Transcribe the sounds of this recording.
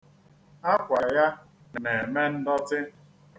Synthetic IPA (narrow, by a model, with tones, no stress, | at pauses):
a˦kʷa˨ja˦˨ | ne˨me˦n̩˦dɔ˦tɪ˦